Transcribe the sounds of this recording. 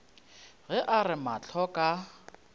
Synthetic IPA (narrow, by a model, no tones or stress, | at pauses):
ɣɛʔarɪmat͡ɬʰɔkʼa